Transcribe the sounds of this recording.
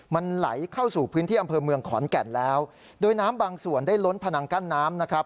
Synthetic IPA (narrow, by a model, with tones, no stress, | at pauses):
ma˧nla̰˩˦jkʰa˥˩wsuː˨˩pʰɯː˦˥nt̪ʰiː˥˩ʔa˧mpʰɤː˧mɯ˧əŋkʰɔ̰ː˩˦nkɛ˨˩nlɛː˦˥w | doː˧jnaː˦˥mbaː˧ŋsu˨˩əndaː˥˩jlo˦˥npʰa˧na˧ŋka˥˩nːaː˦˥mna˦˥kʰɾa˦˥p̚